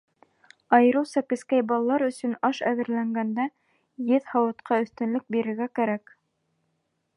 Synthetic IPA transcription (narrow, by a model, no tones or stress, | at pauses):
ɑjɤ̆ɾɤ̆wsɑkɘ̆skæjbɑlˠɑlˠɑɾɵ̆sɵ̆nɑʃæðɘ̆ɾlæŋɡænd̪æ | jɘðhɑwɤ̆t̪qʰɑɵ̆θt̪ɘ̆nlɵk̚biɾɘ̆ɾɡækæɾæk